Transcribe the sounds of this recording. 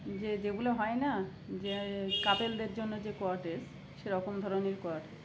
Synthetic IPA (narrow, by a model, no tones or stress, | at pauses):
d͡ʑed͡ʑeɡuleɦɔena | d͡ʑekap̪eld̪eɾd͡ʑonːod͡ʑekoaʈes | ʃeɾɔkomd̪ʱɔɾoniɾkoaʈe